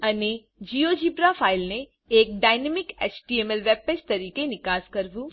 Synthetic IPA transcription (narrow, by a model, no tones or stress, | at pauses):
ɐne | d͡ʒiːod͡ʒiːpɾafʰaːɪlne | eːk̚ɖaːɪnemɪkɛːt͡ʃʈiemɛlʋɛb̚pet͡ʃt̪ɐɾiːkenɪkaːskɐɾʋu